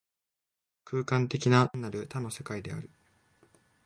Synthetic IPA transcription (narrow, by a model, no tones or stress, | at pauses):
kʰɯːkãnt̪e̞kʲinanaɾɯ̟t̪ano̞se̞kaid̪e̞a̰ɾɯ̟